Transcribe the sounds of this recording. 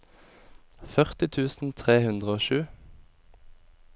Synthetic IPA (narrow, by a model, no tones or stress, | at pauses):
fœʁt̪ɪt̪ʰʉːsn̩t̪ʰʁeːhʉnd̪ʁəoːʃʉː